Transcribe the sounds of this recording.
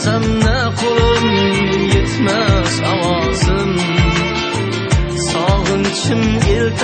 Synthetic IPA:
zamna | qʰolɨ | jet̪ʰmasawɒ | zɨm | sɒʁɨnt͡ʃʰɪmelt̪ʰ

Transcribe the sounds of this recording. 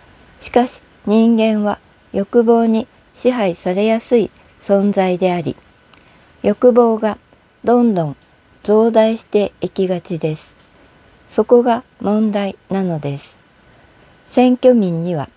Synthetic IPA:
ɕi̥kaɕi̥ | ɲ̟ĩŋɡẽ̞ɰ̃βa | jo̞kɯ̟bo̞ːɲ̟i | ɕiɦaisaɾe̞jasɨi | sõ̞nzaid̪e̞aɾʲḭ | jo̞kɯ̟bo̞ːɡa | d̪õ̞nd̪õ̞n | d͡zo̞ːd̪aiɕi̥t̪e̞ikʲiɡat͡ɕid̪e̞sɨ̥ | so̞ko̞ɡamõ̞nd̪ainano̞d̪e̞sɨ̥ | sẽ̞ŋkʲo̞mʲĩɲ̟ːiβa

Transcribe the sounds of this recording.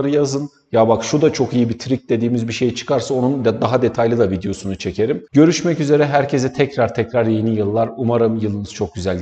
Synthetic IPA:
ɾɯjazɯn | jabakʃud̪at͡ʃʰo̞kijibit̪ʰɾic̚d̪e̞d̪iːmizbiʃe̞jit͡ʃʰɯ̥kʰaɾsao̞nunlʲad̪aɦad̪e̞t̪ʰajlʲid̪avid̪ejo̞sunut͡ʃʰe̞cʰe̞ɾimɟø̞ɾyʃmɛcyze̞ɾɛɦæɾcʰe̞sɛt̪ʰɛcɾaɾt̪ʰɛcɾaɾje̞nijɯlˠːaɾumaɾɯmjɯlˠɯnɯz̥t͡ʃʰo̞k̚ɟyzælʲ

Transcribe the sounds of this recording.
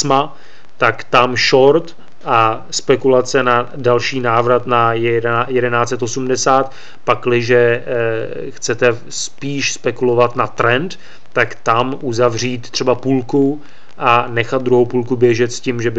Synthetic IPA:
sma | t̪akt̪amʃo̞ɾt̪ | ʔa | spɛkulat͡sɛna | dalʃiːnaːvɾat̪najjɛdɛnaːt͡sɛt̪ʔo̞sumdɛsaːt̪ | paklɪʒɛ | xt͡sɛt̪ɛ | spiːʃspɛkulo̞vat̪nat̪ɾɛnt̪ː | akt̪amʔuzavr̝iːt̪t̪ːr̥ɛbapuːlku | ʔanɛxat̪d̪̚d̪ɾuɦowpuːlkubjɛʒɛt̪sciːmʒɛbɪ

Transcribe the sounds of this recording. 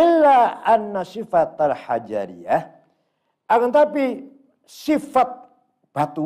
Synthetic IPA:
ɪlːaʔanːasifat̪alħad͡ʒa̰ɾḭah | ʔakant̪api | sifat̪̚ | b̥at̪u

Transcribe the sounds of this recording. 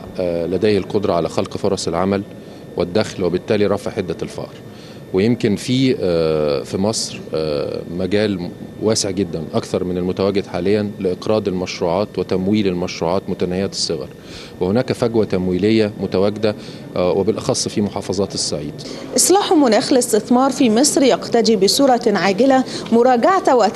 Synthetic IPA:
læd̪æːhelqod̪ɾˤɑʕalæxɑlqfoɾˤɑsˤelʕamæl | wed̪ːæxlwebɪt̪ːæːliɾˤɑfɑʕħed̪ːælfɑ̰ːʔɾˤ | wejemkɪnfiː | fimɑsˤɾ | mæɡæːlwæːseʕɡed̪ːænʔɑkθɑɾˤmɪnelmʊt̪æwæɡːed̪ħaːlɪjːænlɪʔɪqɾɑːd̪elmæʃɾuːʕɑːt̪wet̪æmwiːlelmæʃɾuːʕɑːt̪mʊt̪ænhejːæt̪sˤːeɣɑ̰ɾˤ | wehonæːkæfæɡwæt̪æmwiːlejːæmʊt̪æwæɡɪd̪æ | wʔebɪlʔɑxɑsˤːfiːmoħɑːfɑzˤɑːt̪esːaʕiːd̪̥ | ʔɪsˤlɑːħʊmʊnæːxlɪst̪ɪθmɑːɾˤfiːmesˤɾjæqt̪æd̪iːbɪsuːɾˤɑʕaːɡɪlæmʊɾˤɑːɡaʕt̪wæ

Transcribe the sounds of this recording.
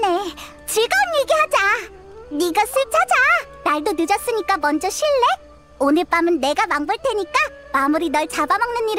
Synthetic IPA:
ne̞ | t͡ɕɯɭɡaɯniɡeɦad͡ʑa | niɡasʰɯɭp̚t͡ɕʰad͡ʑa | naɭdonɯd͡ʑʌs͈ɯɲik͈amʌnd͡ʑʌɕʰiɭːe̞ | onɯɭp͈amɯnːe̞ɡamaŋbʌɭtʰeɲik͈a | mamuɾinʌɭt͡ɕabamaŋnɯnːiɾɯ

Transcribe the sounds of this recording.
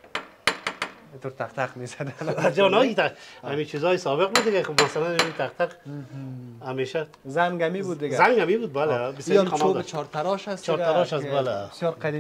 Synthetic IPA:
it̪ʊɾt̪ʰaqt̪aqmesad̪aad͡ʒɔnɒit̪aamit͡ʃʰizɔːjɪsɔbɪq̚bud̪d̪ɪɡakubmasalanamit̪ʰaq̚t̪ʰaq | hameʃa | zaŋɡamibud̪̚ːɪɡazaŋɡamibud̪̚balebɪsamodt͡ʃʰɔɾt̪aɾɔʃast͡ʃʰɔɾt̪aɾɔʃasbaleɪsjɔɾqʰad̪i

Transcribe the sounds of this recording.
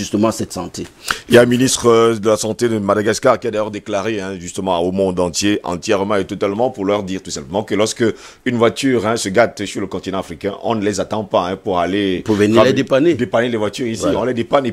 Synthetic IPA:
ʒyst̪əmɑ̃sɛt̪sɑ̃t̪eiljãminist̪χəd̪əlasɑ̃t̪ed̪əmad̪aɡaskaʁkʲiad̪ajœʁd̪eklaʁeɛ̃ʒyst̪əmɑ̃omɔ̃d̪ɑ̃t̪jeʔɑ̰̃t̪jɛʁmɑ̃et̪ɔt̪almɑ̃puʁlœʁd̪iʁt̪usɛ̃pləmɑ̃kəlɔʁskə | ynvwat̪yʁɛ̃səɡat̪syʁləkɔ̃t̪inɑ̃afχikɛ̃ʔɔ̰̃nəlɛzat̪ɑ̃paɛ̃puʁalepuvɛnlɛd̪epaned̪epanelɛvwat̪yʁisiɔ̃lɛd̪epane

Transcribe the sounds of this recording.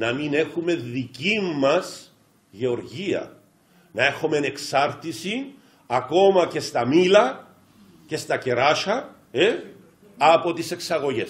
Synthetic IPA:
nɐmine̞xume̞ðicimːɐs | ʝeo̞ɾʝiɐ̰ | nɐe̞xomeɐne̞ksɐɾt̪isi | ɐko̞mɐce̞st̪ɐmilɐ | ce̞st̪ɐce̞ɾɐʃɐ | e | ɐpo̞t̪ise̞ksɐɣo̞ʝe̞s

